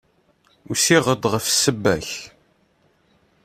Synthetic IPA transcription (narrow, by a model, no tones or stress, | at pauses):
usiʁəd̪ʁəfsːəbːæç